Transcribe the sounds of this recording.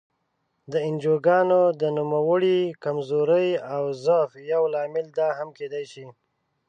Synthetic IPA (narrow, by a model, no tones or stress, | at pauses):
d̪əɪnd͡ʒoɡɑnod̪ənumawəɽikamzoɾəjawzəfjawlɑmɪld̪ɑɦamked̪ajʃi